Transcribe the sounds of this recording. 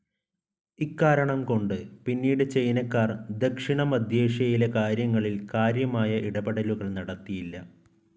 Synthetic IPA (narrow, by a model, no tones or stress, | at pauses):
ikːaːɾɐɳɐmko̞ɳɖɨpinːiːɽɨt͡ɕe̞jnɐkːaːrd̪ekʂiɳɐmɐd̪ʱjeːʂjɐjile̞kaːɾjɐŋːɐɭilkaːɾjɐmaːjɐʔiɽɐbeɽɐluɣɐɭnɐɽɐt̪ːijilːɐ